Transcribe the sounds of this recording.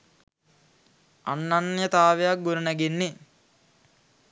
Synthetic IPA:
a̰nːanːijət̪aːʋejak̚ɡunənæɡenːe

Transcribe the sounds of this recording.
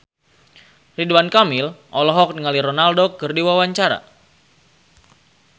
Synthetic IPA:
riduankamɪlʔɔlɔɦɔk̚niŋaliɾɔnaldokɨrdiwawaɲt͡ʃaɾa̰

